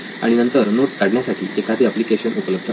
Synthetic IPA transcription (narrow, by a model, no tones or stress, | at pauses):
a̰ɽ̃inənt̪əɾnot̪̚kaɽɳjasaʈʰiːʔekʰat̪eəplikeɕənupələb̚d̪ʱə